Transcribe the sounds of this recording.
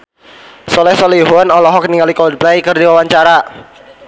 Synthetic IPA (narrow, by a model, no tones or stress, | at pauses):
sɔlɛhsɔliɦuanɔlɔɦɔkniŋɡalikɔld̚blaikɨrdiwawaɲt͡ʃaɾa